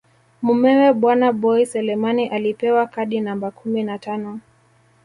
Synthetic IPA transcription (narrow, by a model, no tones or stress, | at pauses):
mumɛwɛɓwanaɓɔisɛlɛmaniʔalipɛwakaɗinambakʰuminatanɔ